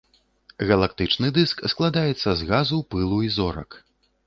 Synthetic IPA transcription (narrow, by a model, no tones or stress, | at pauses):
ɣɐlˠakt̪ɨt͡ʂnɨd̪ɨsksklˠad̪ajɛt̪sːɐzɣazupɨlˠuizɔɾɐ̰k